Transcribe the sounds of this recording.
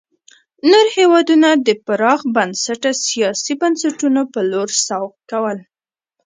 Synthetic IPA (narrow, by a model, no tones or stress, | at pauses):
noɾhewɑd̪unad̪əpaɾɑɣbansaʈasijɑsibansaʈunopəloɾsawqkawəl